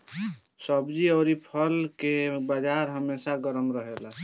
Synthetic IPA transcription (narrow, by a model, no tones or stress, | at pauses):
səbd͡ʒiəʊɾipʰəlkebəd͡ʒaɾɦəmesaɡəɾəmɾəɦela